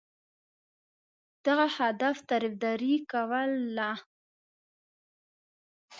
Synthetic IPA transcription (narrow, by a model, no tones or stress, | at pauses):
d̪̥aɣahad̪aft̪ɑɾifd̪ɑɾikawəlːa